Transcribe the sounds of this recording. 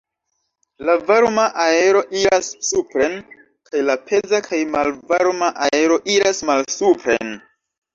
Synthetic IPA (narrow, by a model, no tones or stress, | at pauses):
lavaɾmaʔae̞ɾo̞ʔiɾasːupɾe̞n | kʰajlapʰe̞zakʰajmalvaɾmaʔae̞ɾo̞ʔiɾasmalsupɾḛn